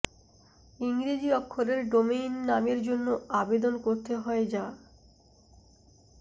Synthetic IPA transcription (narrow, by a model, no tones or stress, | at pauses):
iŋɾid͡ʑiɔkʰːoɾeɾɖomejnːameɾd͡ʑonːoabed̪onkoɾt̪eɦɔed͡ʑa